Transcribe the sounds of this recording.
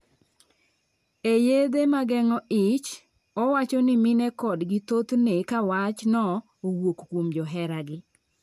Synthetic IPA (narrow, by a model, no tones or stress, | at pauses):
ejed̪emaɡɛŋɔʔɪt͡ʃ | ɔwat͡ʃɔnɪmɪnɛkɔdɡɪt̪ot̪nekawat͡ʃnɔ | owwokkwomd͡ʒɔɦɛɾaɡɪ